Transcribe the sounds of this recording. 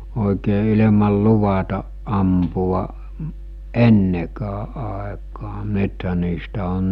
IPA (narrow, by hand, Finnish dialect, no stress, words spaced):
oˑekeː ilemɑl luʋɑtɑʔ ʔɑmpuɑ enːekæː ʔɑekɑː nythæ niːstæ on